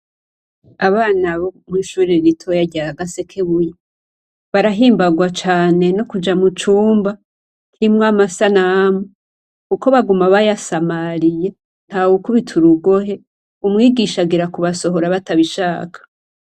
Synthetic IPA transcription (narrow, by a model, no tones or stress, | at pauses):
aβaːnaβomuiʃuːɾiɾitʰojaɟaaɡase̞kʰeβuje | βaɾaɦiːmbaɡwat͡ʃaːne̞nokud͡ʒamut͡ʃuːmba | kʰimŋamasanamo | kuko̞βaɡumaβajasamaɾije̞ | n̥hawukuβitʰuɾuɡo̞ɦe̞ | umŋiːɡiʃaɡiɾakuβaso̞ɦo̞ɾaβataβiʃaːkʰḁ